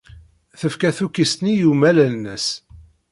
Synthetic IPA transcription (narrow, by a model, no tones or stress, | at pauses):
θəfkæθukːist̪nijumælælnəs